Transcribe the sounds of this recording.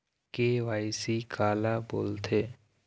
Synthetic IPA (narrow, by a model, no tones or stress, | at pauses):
keʋaːɪsikʰaːlabo̰ːlt̪ʰeː